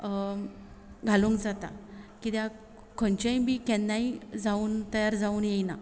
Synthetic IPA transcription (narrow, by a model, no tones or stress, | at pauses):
ɡʱaluːŋkd͡zat̪a̰kit̪jã | kʰont͡ɕãjbiːkɛnːaid͡zauːnt̪əjaɾd͡zauːnjejna̰